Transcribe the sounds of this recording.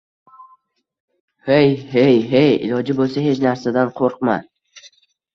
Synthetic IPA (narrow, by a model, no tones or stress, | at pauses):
hejhejɦejɪ̰lɒd͡ʒɪbolˠsaɦe̞t͡ʃnaɾsad̪anqʰoɾqma̰